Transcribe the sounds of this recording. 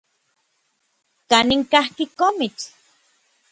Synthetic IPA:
kaniŋkahkikomit͡s

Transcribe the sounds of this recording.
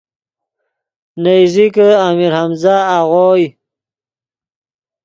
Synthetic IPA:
najzikəamiɾhamzaːʁoːj

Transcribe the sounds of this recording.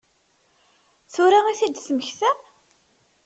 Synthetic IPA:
θuɾaiθid̪sməçθæ

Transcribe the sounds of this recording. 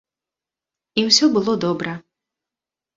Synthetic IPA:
iwsʲɔbɨlˠɔd̪ɔbɾɐ

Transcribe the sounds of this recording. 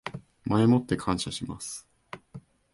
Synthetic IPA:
maemo̞t̪ːe̞kʰãɰ̃ɕaɕimasɨ̥

